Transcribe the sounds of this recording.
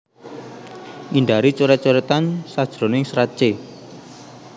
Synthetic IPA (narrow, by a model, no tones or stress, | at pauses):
ʔinɖ̪aɾit͡ʃuɾɛt͡ʃoɾɛt̪ansad̥ʒ̥ɾo̤nɪŋsɾat͡ʃe